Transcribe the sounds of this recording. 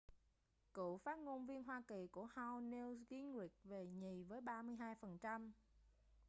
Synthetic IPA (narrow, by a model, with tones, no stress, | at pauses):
kṵ˧˨faː˦˥ŋo˧nvi˧ənɦwaː˧ki˨˩ku˧˩əha˧wne˧wɣi˨˦nŋwi˨˩ət̚ve˨˩ɲi˨˩vəː˨˦jɓaː˧mɨ˧əjɦaː˧jfə˨˩nt͡ɕa˧m